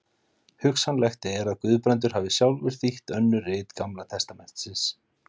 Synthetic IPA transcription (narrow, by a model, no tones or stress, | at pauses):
hʏksanlɛxt̪ɪɛɾaðkʏːðpɾɛnt̪̬ʏɾ̥havɪsjawlvɪɾ̥θiht̪œnːʏrɪːt̪kamlat̪ʰɛst̪amɛn̥t̪sɪns